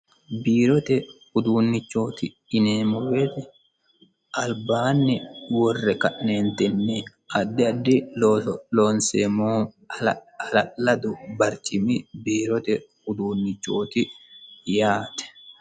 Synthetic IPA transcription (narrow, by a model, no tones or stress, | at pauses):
biːɾɔt̪ɛhʊd̪uːnːɪt͡ʃːo̞ːt̪ɪ | ɪneːmɔwet̪ɛ | ʔɐlbaːnːɪwɔrːɛkɐʔneːnt̪ɛnːɛ | ɐd̪ːɪɐd̪ːɪ | loːnseːmoː | ɐlɐlɐd̪ʊbɐɾt͡ʃʼɪmɪbiːɾɔt̪ɛhʊd̪uːnːɪt͡ʃːoːt̪ɪjaːt̪ɛ̥